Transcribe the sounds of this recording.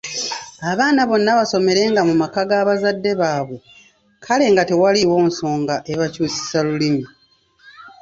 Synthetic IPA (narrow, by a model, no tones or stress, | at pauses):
aβaːnaβo̞nːaβaso̞me̞ɾe̞ːŋɡamumakaɡaːβazadːe̞βaːβwe̞ | kʰale̞ːŋɡatewaliwo̞ːnso̞ːŋɡaʔe̞βacuːsi̥salulimi